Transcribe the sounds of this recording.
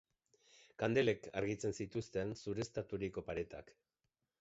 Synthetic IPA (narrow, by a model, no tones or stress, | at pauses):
kand̪ele̞ka̰ɾɣit͡se̞nsit̪ust̪e̞nsuɾe̞st̪at̪uɾiko̞paɾe̞t̪a̰k